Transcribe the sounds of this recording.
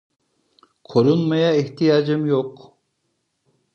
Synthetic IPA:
qʰoɾunmɑjɑeht̪ijɑːd͡ʒɪmjoq

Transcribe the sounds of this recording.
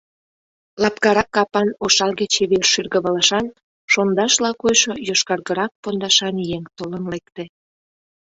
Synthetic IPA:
lɑpkɑɾɑkːɑpɑnoʃɑlɣet͡ɕeβerʃyrɣəβəlɑʃɑn | ʃond̪ɑʃlɑkojʃojoʃkɑrɣəɾɑk̚pond̪ɑʃɑnjeŋt̪olənlekt̪ĕ

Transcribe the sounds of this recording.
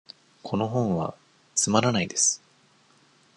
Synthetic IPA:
kʰo̞no̞ɦõ̞ɰ̃βa̰ | t͡sɨmaɾanaid̪e̞sɨ̥

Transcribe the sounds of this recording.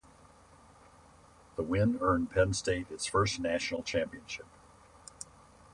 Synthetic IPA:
ðəwɪ̃nɜ̃˞npʰɛ̃nsteɪɾɨtsfɜ˞snæʃn̩l̩ˠt͡ʃʰæ̃mpiɨ̃nʃɪp̚

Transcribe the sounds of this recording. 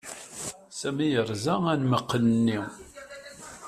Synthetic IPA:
sæmijəɾˤzæænməqːənənːi

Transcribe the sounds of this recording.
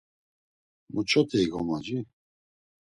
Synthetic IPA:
mʔut͡ʃʼɔt̪ʰɛiɡɔmad͡ʒi

